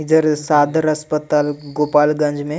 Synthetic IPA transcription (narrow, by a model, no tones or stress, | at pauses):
d͡ʒəɾsaːd̪ʱəɾɐspət̪aːlɡoːpaːlɡɐ̃nd͡ʒmẽ